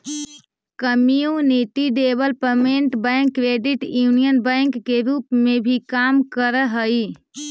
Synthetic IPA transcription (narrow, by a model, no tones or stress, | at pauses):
kəmiũnit̪iɖebəlpəmeɳʈbəjŋkːɾeɖiʈjunijənbəŋkːeɾupmebʱikamkəɾəɦəj